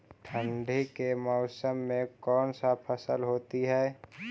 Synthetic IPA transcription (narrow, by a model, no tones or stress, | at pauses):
ʈʰə̃ɳɖʱikemɔʊsəmːẽkɔːnsapʰəsəlɦoːt̪iɦɛː